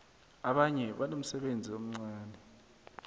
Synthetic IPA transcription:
aɓaɲɛɓanom̩sɛɓend͡zʱiom̩ŋ͡ǀaːnʱɛ

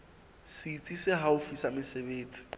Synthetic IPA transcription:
sit͡sʼisɪɦaʊfisamɪsebeːt͡sʼi̥

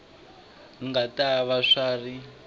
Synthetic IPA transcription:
ŋɡataβaʂaːri

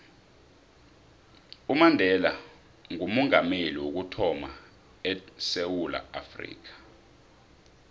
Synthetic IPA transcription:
umandʱɛla | ŋumɔŋameliwok̬utʰɔma | ɛsewula̰a̰frḭːk̬ḁ

